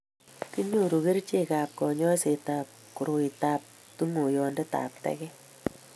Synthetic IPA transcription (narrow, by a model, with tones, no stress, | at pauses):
ki˦ɲo˦ɾu˨ke˦ɾt͡ʃe˦kaː˨p̚kɔ˨ɲɔ˦se˨taː˨p̚ku˨ɾo˨i˨taː˦p̚ | tu˦ŋo˨jɔ˨nde˦ta̰ː˨p̚tɛ̰kɛ˦